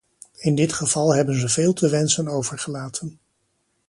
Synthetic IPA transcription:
ɪndɪtχəv̥ɑlˠɦɛbənzəveːlˠtəʋɛnsənowvəɹχəlaːtʰən

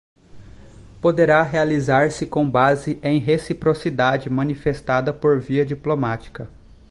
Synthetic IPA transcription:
pod̪eɾaɦealizaɾsɪkõbazɪʔẽj̃ɦesipɾosid̪ad͡ʒɪmɐ̃nifest̪ad̪ɐpoɾviɐd͡ʒiplomat͡ʃi̥kɐ

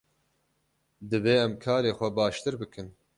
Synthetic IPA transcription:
d̪ɨbeːɛmkʰaːɾeːxʷɛbɑːʃt̪ɨɾbɨkʰɨn

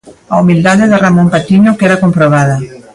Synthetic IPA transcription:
aumild̪aðeðeramõmpat̪iɲokɛɾakompɾoβ̞aðɐ

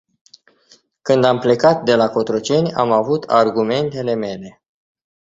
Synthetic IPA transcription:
kɨnd̪ample̞kat̪̚d̪e̞lako̞t̪ɾot͡ʃe̞nʲa̰mavut̪ʰarɡume̞nt̪e̞le̞me̞le̞

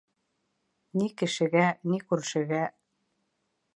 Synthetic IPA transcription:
nikɘ̆ʃɘ̆ɡænikʉɾʃɘ̆ɣæ

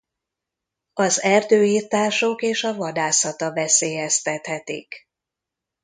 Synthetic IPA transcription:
ɒzɛrd̪øːjiːrt̪aːʃo̞keːʃɒvɒd̪aːsɒt̪ɒvɛseːjɛst̪ɛt̪hɛt̪ḭk

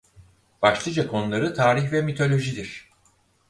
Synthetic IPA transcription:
b̥aʃlˠɯd͡ʒakʰo̞nulˠaɾɯt̪ʰaːɾiçvɛmit̪ʰo̞lʲo̞ʒid̪iɾ̥

